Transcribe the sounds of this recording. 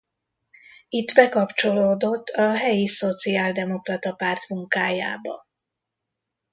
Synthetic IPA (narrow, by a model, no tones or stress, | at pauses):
it̪ːbɛkɒpt͡ʃo̞loːd̪o̞t̪ʰːɒɦɛjiso̞t̪siaːld̪ɛmo̞krɒt̪ɒpaːrt̪muŋkaːja̰ːbɒ̰